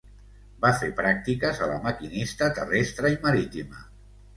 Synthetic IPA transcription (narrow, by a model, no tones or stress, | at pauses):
bafepɾak̚t̪ikəzələ̰məkinist̪ət̪ə̰rest̪ɾəiməɾit̪imə